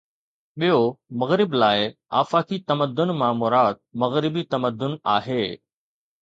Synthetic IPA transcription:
ɓijomɐɣɾɪblaːɪa̰ːfakit̪ɐməd̪ːʊnmãːmʊɾaːd̪̚mɐɣɾɪbit̪ɐməd̪ːʊna̰ːɦeː

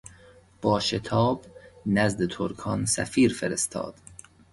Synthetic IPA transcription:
b̥ɒːʃet̪ʰɒːbnæzd̪et̪ʰoɾkʰɒnsæ̰fiːɾfeɾest̪ʰɒ̰ːd̪̥

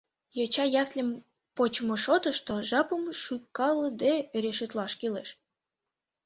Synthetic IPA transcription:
jot͡ɕɑjɑslʲə̆m | pot͡ɕmoʃot̪əʃt̪oʒɑpəmʃykːɑlə̆d̪eeɾeʃøt̪lɑʃkileʃ

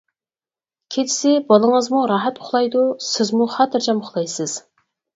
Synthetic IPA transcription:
kʲʰet͡ʃʰɪ̥sɪbɑlˠəŋəzmuɾɑɦɛt̪ʊχlˠɑjd̪usɪzmuχɑːt̪ʰɪɾd͡ʒɑmʊχlˠɑjsɪz̥

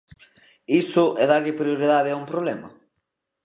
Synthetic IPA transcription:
isʊʔɛðaɾʎɪpɾjoɾiðaðɪaumpɾoβlɛmɐ̰

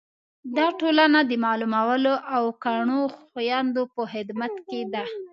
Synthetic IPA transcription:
d̪ɑʈolanad̪əmɑlumawəloʔawkaɳoxjɑnd̪opəhɪd̪mat̪ked̪a

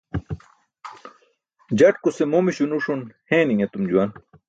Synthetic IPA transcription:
d͡ʑɐʈkusemomiɕunuʂunhẽːniŋet̪umd͡ʑuwan

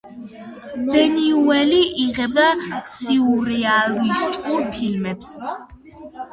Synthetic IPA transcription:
d̪̥ɛniuɛliʔiʁɛb̚d̪asiuɾɛalist̪ʼuɾpʰilmɛps

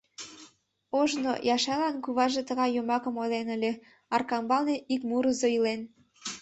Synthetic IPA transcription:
oʒno̰jɑʃɑlɑnkuβɑʒet̪əɣɑjːomɑkə̆molenəlʲe | ɑrkɑmbɑlneʔikmuɾəzoilen

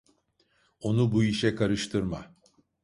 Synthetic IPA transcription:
o̞nubuiʃɛkʰaɾɯʃt̪ʰɯɾma̰

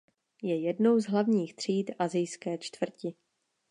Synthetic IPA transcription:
jɛjɛdno̞wzɦlavɲiːxt̪r̝̥iːt̪ʔazɪjskɛːt͡ʃt̪vr̩cɪ

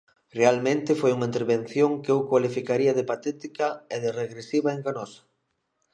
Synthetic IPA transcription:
realmẽnt̪ɪfojuŋaint̪eɾβen̟θjoŋkewkwalifikaɾiɐðɪpat̪ɛt̪ikɐeðɪreɣɾesiβaeŋɡanɔsḁ

